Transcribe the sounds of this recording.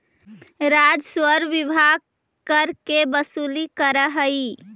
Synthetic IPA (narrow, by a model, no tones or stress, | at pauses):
ɾad͡ʒswəɾʋibʱaɡ̚ | kəɾkebəsulikəɾəɦəi